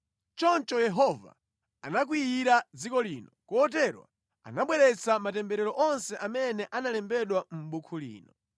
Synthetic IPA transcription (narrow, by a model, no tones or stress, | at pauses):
t͡ʃɔnt͡ʃɔjɛɦɔva̰ | anak̬wiiɾad͡zikɔliːnɔkɔːt̬ɛɾwa̰ | a̰naɓwɛɾɛt͡samatɛmbɛɾɛɾɔʔɔnsɛʔamɛnɛʔanalɛmbɛɗwam̩ɓukʰulḭːnɔ